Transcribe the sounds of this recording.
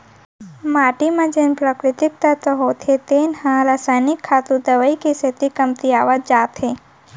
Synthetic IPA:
maːʈimãd͡ʒenpɾəkɾɪt̪ɪk̚t̪ət̪əɦoːt̪ʰet̪eːnhãɾaːsajnɪkʰːaːt̪ũd̪əʋəikeset̪ikɐmt̪iaːʋəd͡ʒaːt̪ɦe

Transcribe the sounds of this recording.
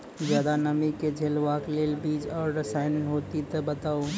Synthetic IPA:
zjaːd̪anəmiked͡ʒʱeːlʋaːkleːlbiːd͡ʒɔːɾːəsaːɪnɦoːt̪it̪ebət̪aːo

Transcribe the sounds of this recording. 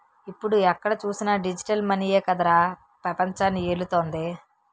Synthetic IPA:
ipːuɽuɛkːɐɽɐt͡ʃuːsinɐɖid͡ʒiʈɐlmɐnijeːkɐd̪ɐɾaː | pɾɐpɐɲt͡ʃaːnːieɽut̪oːnd̪i

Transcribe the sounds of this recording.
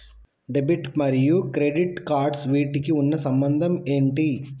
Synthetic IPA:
ɖebiʈmɐɾijukɾeɖiʈkaːɾɖsʋiːʈikiunːɐsɐmbɐnd̪ʱɐmeːɳʈi

